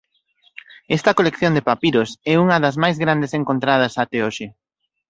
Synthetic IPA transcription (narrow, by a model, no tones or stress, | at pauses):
ɛst̪ɐkolekθjond̪epapiɾosɛuŋɐðɐzmajzɣɾand̪eseŋkont̪ɾað̞ɐsat̪eoʃɪ